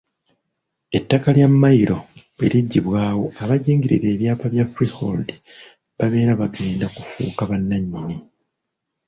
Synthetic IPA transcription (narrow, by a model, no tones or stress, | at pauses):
e̞tːakaljamːajiɾo̞ | βeliɟːiβwaːwo̞aβaɟiːŋɡiɾḭɾe̞ːβjaːpaβjafɾiho̰ldi | βaβe̞ːɾaβaɡe̞ːndaku̥fṵːkaβanːaɲːini